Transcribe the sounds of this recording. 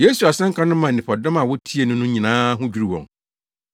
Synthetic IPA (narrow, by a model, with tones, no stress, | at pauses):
je˦su˨a˨sɛ̃˦ŋ̩˦kʰã˦nʊ̃˦mã˨ɪ̃˨pʰɔ˨dɔ̃˦ma˨wɔ˦tʰi˦e˨nʊ̃˦nʊ̃˦ɲĩ˨nãː˦ɦʊ̃˦d͡ʑᶣi˦ɾi˨wɔ̰̃˨ŋ